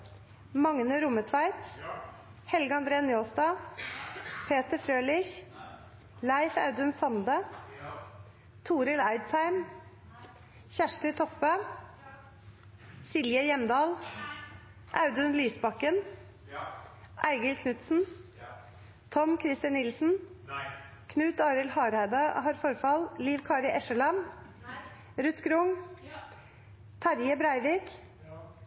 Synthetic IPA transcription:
mɑŋnəɾʊmət̪ʰʋæɪt̪ | hɛlɡəɑnd̪ɾeːənjoːsd̪ɑː | pʰeːt̪əfɾøːlɪç | lɑɪfɑ̰ʉd̪ʉnsɑnd̪ə | t̪ʰuːɾəlɑɪd̪sæɪm | çæʂʈət̪ʰɔpə | sɪljəjɛmd̪ɑːl | ʔɑʉd̪ʉnliːsbɑkːən | ʔæɪɡəlkʰnʉt̪sn̩ | t̪ʰɔmkʰɾɪst̪ɑnɪlsn̩ | kʰnʉːt̪ɑːɾəlhɑːɾhæɪd̪ɑhɑːɾfɔɾfɑlliːʋkʰɑːɾɪʔɛʃəɭɑm | ɾʉt̪ɡɾʊŋ | t̪ʰɑɾjəbɾæɪʋiːk

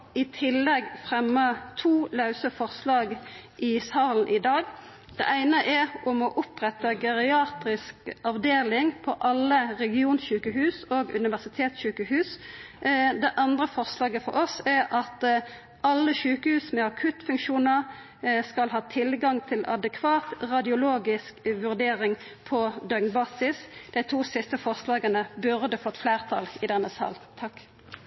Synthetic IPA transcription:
ɪt̪ʰɪlːɛɡfʁɛmːət̪ʰuːlɑʉsəfɔʁslɑːɡʔɪsɑːln̩ʔɪd̪ɑːɡ | d̪̥ɛ̰ʔæɪnəʔɛʁʊmɔʔʊpʁɛt̪əɡɛʁɪɑːt̪ʁɪskɑʋd̪eːlɪŋpʰɔʔɑlːəʁɛɡɪuːnɕʉːkəhʉːsoːɡʉ̰nɪʋæʁsɪt̪ʰeːt̪sɕʉːkəhʉːs | d̪ɛʔɑnd̪ʁəfɔʁslɑːɡəfɔ̰ʁɔsæʁʔɑt̪ | ʔɑlːəʃʉːkəhʉːsmɛɑkʰʉt̪fʉŋkʃuːnəʁ | skɑlɦɑːt̪ʰɪlɡɑŋt̪ʰɪlɑ̰d̪əkʰʋɑːt̪ʁɑd̪ɪʊloːɡɪskʋʉʁd̪eːʁɪŋ | pʰɔd̪œɡnbɑːsɪsd̪̥æɪt̪ʰuːsɪst̪əfɔʁslɑːɡənəbʉʁd̪əfoːt̪flæːʁt̪ʰɑ̰ːlɪd̪ɛnːəsɑ̰ːlt̪ʰɑk

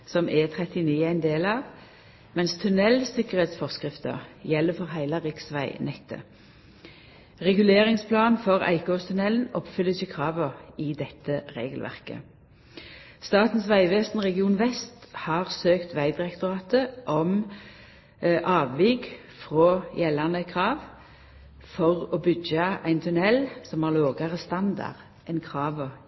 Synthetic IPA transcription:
sɔmʔɛt̪ʰʁɛt̪ɪniːæɪnd̪eːlɑːʋ | mɛnst̪ʰʉnɛlsɪkəʁeːt̪sfɔʁskʁɪft̪ə̰ʁjɛlːəfɔʁɦæɪlɑʁɪksʋæɪnɛkt̪ʰə̰ | ʁɛɡʉleːʁɪŋspʰlɑːnfɔʁæ̰ɪkoːst̪ʰʉnɛln̩ɔpfʏləçəkʰʁɑːʋəʁɪd̪ɛt̪ːəʁeːɡəlʋæ̰ʁkə̰ | st̪ɑːt̪n̩sʋæɪʋeːst̪nʁɛɡɪuːnʋɛst̪hɑʁsøːkt̪ʋæɪd̪ɪʁɛkt̪ʊʁɑːt̪əʔɔm | ʔɑːʋʋiːɡ | fʁoːjɛlːɑnəkʰʁɑːʋ | fɔʁoːbʏɡɑæɪnt̪ʰʉnɛlsɔmæʁloːɡɑʁəst̪ɑnd̪ɑ̰ʁ | ɛnkʰʁɑːʋə

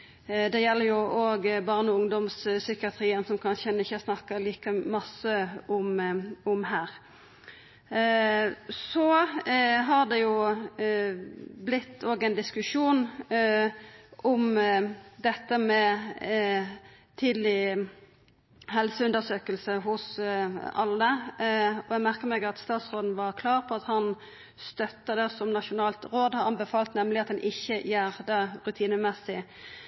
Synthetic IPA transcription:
d̪ɛjɛlːəɾjʊʔoːɡbɑʁnəʊŋd̪ɔmssʏkɪɑt̪ʰɾiːənsɔmkʰɑnʃəɛnɪçːəsnɑkːəliːkəmɑsəɔmɔmhæːɾ | sɔ | ɦɑʁd̪ɛjʊ | blɪt̪ʰːoːɡɛɪnd̪ɪskʉʂuːn | ʔɔm | d̪ɛt̪ːəmɛ | t̪ʰɪd̪lɪ | hɛlsəʉnd̪əʁsøːkəlsəɦʊs | ɑlːə | ɔjɛɡmæʁkəmɛɡɑt̪st̪ɑːt̪sʁoːd̪n̩ʋɑʁkʰlɑːʁpʰɔɑt̪hɑn | st̪œt̪ːəd̪ɛsɔmnɑʂʊnɑːlt̪ʁoːd̪hɑɾɑmbəfɑːlt̪nɛmlɪɑt̪̚d̪ɛnʔɪçːəjæːʁd̪əʁʉt̪ʰiːnəmɛsːɪ

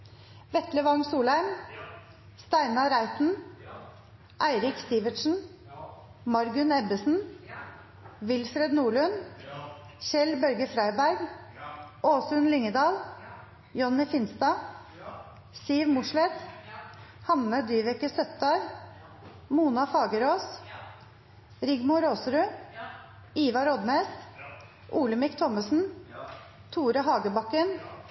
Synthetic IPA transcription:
ʋɛt̪ləʋɑŋsuːlhæɾm | st̪æɪnɑɾæɪt̪n̩ | ʔæɪɾɪkst̪iːʋət̪ʃn̩ | mɑɾɡʉnɛbəsn̩ | ʋɪlsɾɛd̪nuːɭʉn | çɛlbœɾɡəfɾæɪbæɾɡ | ʔoːsʉnlɪŋəd̪ɑːl | jɔnːɪfɪnst̪ɑː | siːʋmʊʂlɛt̪ | hɑnːəd̪yːʋɛkəsœt̪ɑɾ | muːnɑfɑːɡəɾoːs | ɾɪɡmʊɾoːsɾʉ | iːʋɑɾɔd̪neːs | ʔuːləmɪkt̪ʰɔməsn̩ | t̪ʰuːɾəɦɑːɡəbɑkən

